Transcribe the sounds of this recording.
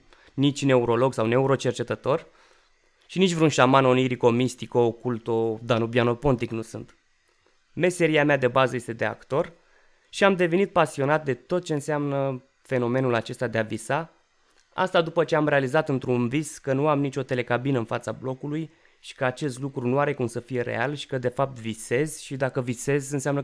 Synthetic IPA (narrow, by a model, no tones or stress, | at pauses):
nit͡ʃʲne̞uɾo̞lo̞ɡsawne̞uɾo̞t͡ʃe̞rt͡ʃe̞t̪ət̪o̞r | ʃinit͡ʃʲvɾunʃamanoniɾiko̞mist̪ikoːkult̪o̞d̪anobjano̞po̞nt̪iknusunt̪ | me̞se̞ɾiamead̪e̞bazəje̞st̪e̞d̪e̞a̰kt̪o̞r | ʃiamd̪e̞ve̞nit̪̚pasio̞nat̪̚d̪e̞t̪o̞t̪̚t͡ʃe̞ɨnseamnə | fe̞no̞me̞nulat͡ʃe̞st̪ad̪e̞avisa | a̰st̪ad̪upət͡ʃe̞amɾe̞alizat̪ɨnt̪ɾunviskənuamnit͡ʃʲo̞t̪e̞le̞kabinəɨnfat̪sablo̞kuluj | ʃi̥kəat͡ʃe̞st̪lukɾunuaɾe̞kumsəfije̞ɾe̞̰a̰lʃi̥kəd̪e̞fap̚t̪vise̞z̥ʃid̪akəvise̞zʲɨnseamnə